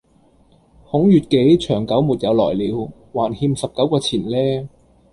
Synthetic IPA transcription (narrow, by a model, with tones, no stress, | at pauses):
hʊ˨˥ŋjyː˨˩t̚ke˨˥jt͡ʃʰœː˨˩ŋkɐ˨˥wmu˨t̚jɐ˨˧wlɔ̰ː˨˩jliː˨˧w | waː˨˩nhiː˧msɐ˨p̚kɐ˨˥wkɔː˧t͡sʰiː˨˩nlɛː˥